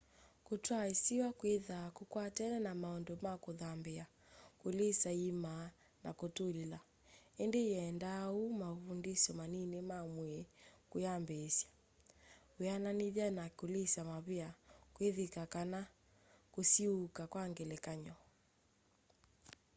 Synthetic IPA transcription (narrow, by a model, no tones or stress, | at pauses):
kutwaisiwakwiðakukwatɛnɛnamaɔndɔmakuðambɛa | kulisaima | nakutulila | ɛndejɛndaumafundisɔmaninemamwɛkujambɛsjḁ | ɛananiðanakulisamaβiakwiðikakana | kusiukakwaŋɡɛlɛkaɲɔ